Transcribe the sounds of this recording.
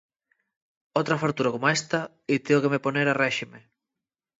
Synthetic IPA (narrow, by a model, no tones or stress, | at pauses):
owt̪ɾɐfaɾt̪uɾɐkomoɛst̪ɐ | it̪eokemeponeɾarɛʃime